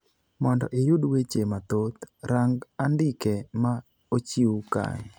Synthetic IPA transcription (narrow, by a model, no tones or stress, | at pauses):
mɔndɔ̰ʔejudwet͡ʃemat̪ot̪ɾaŋɡandɪkema | ot͡ʃiuka̰ɲ